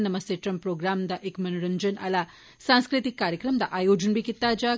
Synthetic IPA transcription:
nːɐmɐst̪eʈɾɐmpɾoːɡɾaːmd̪aʔekmɐnuɾɐnd͡ʒɐnɐ̰la | sãːnskɾit̪ikːaːɾjɐkɾɐmd̪aʔaːjoːd͡ʒunbikit̪ːaːd͡ʒaː

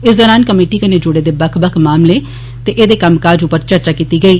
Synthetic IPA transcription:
ɪszəɾaːnkəmeːʈiːkəneːd͡ʒʊɽeːd̪eːbəkʰbəkʰmaːmleː | t̪eːʔeːd̪eːkəmkaːd͡ʒʊpːəɾt͡ʃəɾt͡ʃaːkiːt̪iːɡəiː

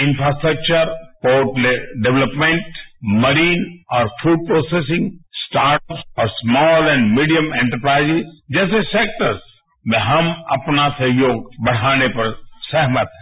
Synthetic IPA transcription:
ɪ̃nfɾaːsʈɾək̚t͡ʃəɾpoːʈleɖeʋləpmẽɳʈməɾiːnɔːɾfʰuːɖ̚pɾoːsesɪ̃ŋɡsʈaːɾʈpsɔːɾsmɔːlɛ̃ɳɖmiːɖijəmɛẽːɳʈəɾpɾaːɪzɪzd͡ʒɛːseseːk̚ʈəɾz | mẽɦɐmɐ̰pnasɐɦjoːɡ̚bɐɽ̤aːnepɐɾsɛɦmət̪ɦɛ̃

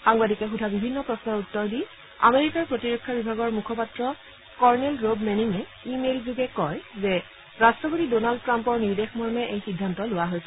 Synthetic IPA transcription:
xaŋbadikɛxudʱabibʱinːɔpɹɔsnɔɹutːɔɹdi | a̰meɹikaɹpɹotiɹekʰːabibʱaɡɔɹmukʰɔpatɹɔ | kɔɹnɛlɹobmeniŋɛ | imelzuɡɛkɔjzɛ | ɹastɹɔpotidonald̚tɹampɔɹniɹdexmɔɹmɛʔejxidʱːantɔlʊwaɦojsɛ

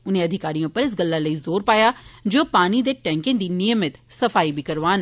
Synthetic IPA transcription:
ʊnẽːɐd̪ʱɪkaːɾijõːpəɾɪs̬ɡəlːaləiːzoːɾpaːjaːd͡ʒoːpaːnid̪eːʈɛ̃ːŋkɪ̃ŋd̪iːnɪjəmɪt̪səfʰaːibʱikɐɾʋaːn

